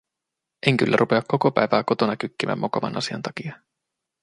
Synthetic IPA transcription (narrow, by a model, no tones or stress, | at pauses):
ʔeŋk̟ylːʔæ̰ɾʔupe̞ɑkːo̞ko̞pæjʋæːko̞t̪o̞nɑkykːimæ̰mːokomɑ̰nʔɑ̰siɑ̰nt̪ɑkiɑ